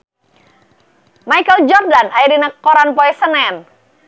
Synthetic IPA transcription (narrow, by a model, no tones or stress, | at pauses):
majkəld͡ʒɔrdanajɾinakɔɾanpɔɛsənɛn